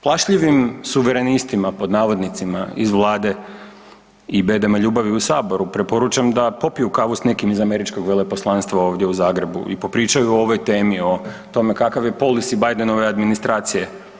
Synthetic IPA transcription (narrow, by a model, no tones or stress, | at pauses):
plˠaʃʎiʋimsuʋeɾe̞nist̪imapo̞d̪naːʋo̞d̪nit̪simaizʋlˠaːd̪e̞ | ibe̞ːd̪emaʎuːbaʋiusaːbo̞ɾupɾe̞po̞ɾut͡ʃamd̪apo̞pijukaʋusne̞kimizame̞ɾit͡ʃko̞ɡʋe̞le̞po̞slˠanst̪ʋao̞ːʋd̪je̞uzaːɡɾe̞bṵḭpo̞pɾiːt͡ʃajuooʋo̞jt̪e̞ːmio̞t̪o̞me̞kakaʋje̞po̞lisibajd̪eno̞ʋead̪minist̪ɾaːt̪sije̞